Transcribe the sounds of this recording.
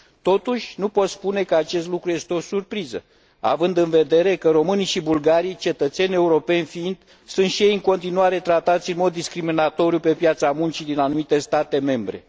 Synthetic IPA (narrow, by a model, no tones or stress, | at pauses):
t̪o̞t̪uʃʲnupo̞t̪spune̞kəat͡ʃe̞s̬t̪lukɾuje̞st̪eo̞surpɾizə | a̰vɨnd̪ɨnve̞d̪e̞ɾe̞kəɾo̞mɨniʃibulɡaɾijt͡ʃe̞t̪ət̪se̞nʲe̞uɾo̞pe̞nʲfiind̪ | sunt̪ʃijejɨŋko̞nt̪inuaɾe̞t̪ɾat̪at̪sʲɨnmo̞d̪ːiskɾiminat̪o̞ɾiupe̞pjat̪samunt͡ʃid̪inanumit̪e̞st̪at̪e̞me̞mbɾe̞̰